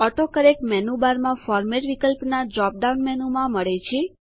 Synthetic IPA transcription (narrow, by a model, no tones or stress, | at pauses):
ɔʈokəɾekmɛnubaɾmãfɔɾmeʈʋikəlpnad͡ʒɾɔp̚ɖaunmɛnumãməɭet͡ʃʰe